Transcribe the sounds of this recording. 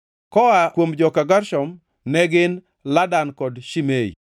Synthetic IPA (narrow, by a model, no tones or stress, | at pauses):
kɔakwomd͡ʒɔkaɡaɾʃɔm | nɛɡɪn | ladankɔdʃimeḭ